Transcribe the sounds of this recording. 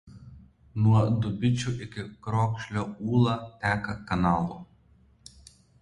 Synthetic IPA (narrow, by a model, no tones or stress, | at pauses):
nuɔd̪ʊbʲɪt͡ʃʲuʔɪkʲɪkɾɔːkʃʲlʲoːuːlˠɐt̪ʲæːkɐkɐnɑːlˠṵ